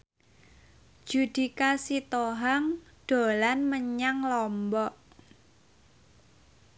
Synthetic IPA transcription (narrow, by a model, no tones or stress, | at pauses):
d̥ʒ̥ṳd̪̥i̤kasit̪oɦaŋ | ɖ̪̥o̤lanməɲaŋlɔmbɔʔ